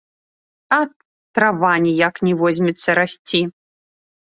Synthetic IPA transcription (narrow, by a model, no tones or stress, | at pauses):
ɐ | t̪ɾavanʲijaknʲɛvɔzʲmʲɛt̪sːɐɾasʲt͡sʲi